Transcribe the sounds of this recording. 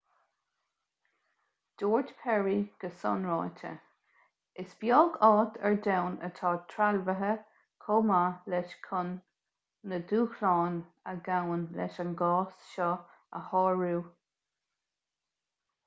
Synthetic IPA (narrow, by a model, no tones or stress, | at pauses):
d̥oːɹd͡ʒpʰɛɹiɡ̥əsɔ̰nɹɑːtʰə̰ | ɪsbjɔːɡɑːt̪ʰɛɹdawnə̰tʰɑːtʰɹalvəɦə | kʰoːmalɛʃkʰʊnː | əduːxlɑːn | əɡawənlɛ̰ʃənɡɑːsʃɔ | əhɑːɹuː